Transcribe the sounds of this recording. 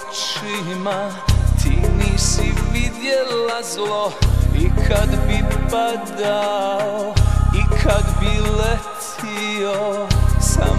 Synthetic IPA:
t͡ʃi | ma | t̪ʰiniːsiʋid̪jɛlazloikʰad̪bipad̪aoikʰad̪bilɛt̪ʰ | iosa̰

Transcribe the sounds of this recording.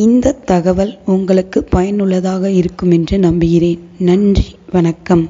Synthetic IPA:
ɪnd̪ɐt̪ːɐɣɐʋɐlʊŋɡɐɭɯkːɯpːɐjɐnɯɭːɐðaːɣɐɪɾɯkːɯmɛndrɯnɐmbɪɣɪreːnnɐndriʋɐnɐkːɐm

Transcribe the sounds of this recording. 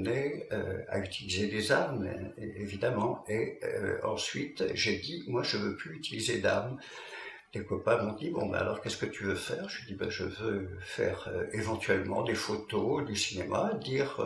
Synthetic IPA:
neøa̰yt̪ʰilized̪ezaʁmevid̪amɑ̃eøɑ̰̃sɥit̪ʒed̪imwaʒəvøplyːt̪ilized̪aʁm | d̪̥ekɔpãmɔ̃d̪ibɔ̰̃bɛ̰a̰lɔʁkʲɛskət̪yvøfɛʁʒed̪iba̰ʒəvøfɛ̰ʁevɑ̃t̪ɥɛlmɑ̃d̪efot̪od̪ysinemʔa̰d̪iʁ

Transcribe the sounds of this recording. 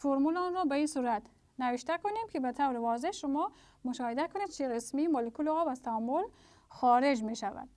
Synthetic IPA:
foɾmulɔnɾɔbaisuɾat̪ | naviʃt̪akunemkʰibat̪ʰawɾivɔzeʃumɔ | mʊʃɔhid̪akʰuned̪̚t͡ʃʰiʁismimolekulɔbazt̪ʰaːmːul | xɔɾed͡ʒmeʃava̰d̪̥̚

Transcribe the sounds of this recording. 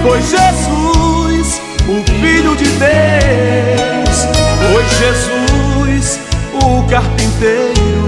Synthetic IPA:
pojzʒezus | ʊfiʎʊd͡ʒɪd̪e | wwspojzʒezujsʊkaɾpĩt̪ejɾʊʊ

